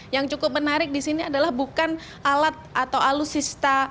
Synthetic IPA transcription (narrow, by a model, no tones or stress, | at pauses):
jaŋt͡ʃukʊp̚mənaɾɪk̚disiniadalahbukan | ʔalat̪̚ʔat̪awalusist̪a